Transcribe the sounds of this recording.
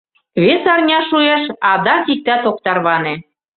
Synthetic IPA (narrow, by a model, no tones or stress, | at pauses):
βesɑrnʲɑʃueʃɑd̪ɑkik̚t̪æt̪ok̚t̪ɑrβɑnĕ